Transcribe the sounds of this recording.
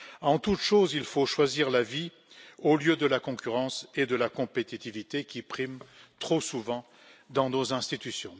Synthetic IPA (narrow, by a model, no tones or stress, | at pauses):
ɑ̃t̪ut̪ʃozilfoʃwaziʁlavi | oljød̪əlakɔ̃kʲyʁɑ̃sed̪əlakɔ̃pet̪it̪ivit̪ekʲipχimt̪χosuvɑ̃ | d̪ɑ̃nozɛ̃st̪it̪ysjɔ̃